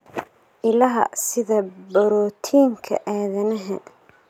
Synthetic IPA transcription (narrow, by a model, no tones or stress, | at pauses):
ʔɪlɐɦɐ̰sɪðɐbɐɾɔːt̪ʰiːŋkʰɐ̰ʔɛːðɐnɐɦɛ̰d̪